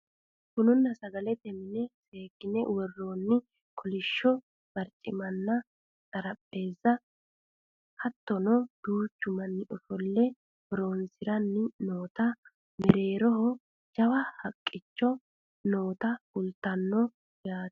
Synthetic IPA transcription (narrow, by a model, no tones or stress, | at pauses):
kʊnʊnːɐsɐɡɐlɛt̪ɛmɪnɛseːkːɪnɛwɔrːoːnːɪ | kʰɔlɪʃːɔ | b̥ɐɾt͡ʃʼːɪmɐnːɐ | t͡sʼɐɾɐpʼːe̞ːzːɐ | hɐt̪ːɔnɔd̪̥uːt͡ʃːʊmɐnːɪʔɔfɔlːɛ | hɔɾo̞ːnsɪɾɐnːɪnoːt̪ɐ | mɛɾe̞ːɾɔɦɔ | d͡ʒɐwɐhɐkʼːɪt͡ʃːɔ | no̞ːt̪ɐʊlt̪ːɐnːɔ | jaːt̪